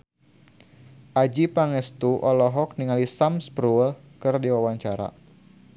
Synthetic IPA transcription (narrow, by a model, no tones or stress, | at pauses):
ʔad͡ʒipaŋɛst̪uʔɔlɔɦɔk̚niŋalisamspɾul | kɨrdiwawaɲt͡ʃaɾa̰